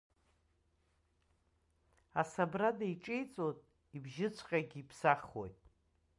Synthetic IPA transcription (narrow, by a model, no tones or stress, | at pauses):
asabradajʈ͡ʂʼejt͡sʼotʼ | ibʒɪt͡ɕʷʰʼqʲʼaɡʲiipʰsaχo̰jtʼ